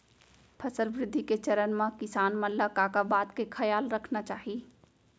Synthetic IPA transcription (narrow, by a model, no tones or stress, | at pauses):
pʰɐsəlʋɾɪd̪ʱːiket͡ʃɐɾənmãkɪsaːnmɐlakaːkabaːd̪kekʰɐjaːlɾɐkʰnat͡ʃaːɦi